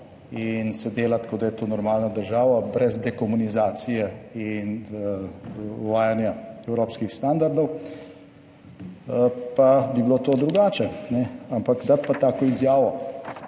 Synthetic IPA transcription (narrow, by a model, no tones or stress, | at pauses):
insɛd̪eːlat̪kɔd̪ajɛt̪oːnɔɾmaːlnad̪əɾʒaːʋabɾɛzd̪ɛkɔmunizaːt̪sijɛin | uʋaːjanjaɛwɾoːpskixst̪aːnd̪aɾd̪ɔw | pabibloːt̪oːd̪ɾuɡaːt͡ʃɛnɛampakd̪at̪̚pat̪aːkɔizjaːʋɔ